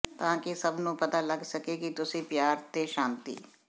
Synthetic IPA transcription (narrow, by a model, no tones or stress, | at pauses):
t̪aãkisɐbʱnũpɐt̪alɐɡsɐkeːɡit̪ʊsipjaːɾt̪eʃãːnt̪ḭː